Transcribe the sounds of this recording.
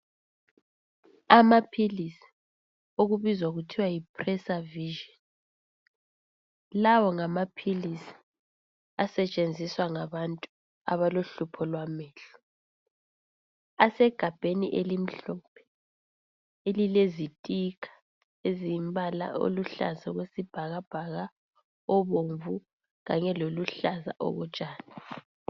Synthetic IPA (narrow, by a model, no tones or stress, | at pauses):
amapʰilisi̥ | oɣuβizwaɣutʰiwajipʰrɛsaviʒɔn | lawɔŋamapʰilisi̥ | asɛt͡ʃʼend͡zʱiswaŋaβantʼu | a̰βaloɬupʰɔlwamɛːɬɔ̥ | asɛɡ̥ʱab̥ʱeniʔelim̩ɬɔːpʰɛ̥ | elilezitʼikʰḁ | ezimbʱala̰o̰luɬa̰zaɣwesib̥ʱaɣab̥ʱaɣa | ɔβoɱvu | ɣaɲɛloluɬaza̰ʔɔ̰ɣɔt͡ʃʼaːna